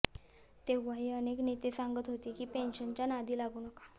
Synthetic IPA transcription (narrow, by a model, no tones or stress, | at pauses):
t̪eʋaɦiːəneknet̪esaŋɡət̪ɦot̪iːkiːpenɕənt͡ɕjanad̪ʱiːlaɡuːnəkḁ